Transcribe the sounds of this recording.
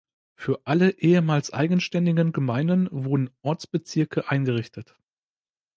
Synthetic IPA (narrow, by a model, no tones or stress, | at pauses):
fyːɐʔaləʔeːəmaːlsʔa̰ɪɡən̩ʃtɛndɪɡənɡəmaɪnənvʊɐdn̩ʔɔɐt͡sb̥ət͡sɪɐkʰəʔaɪnɡəʁ̞ɪçtʰət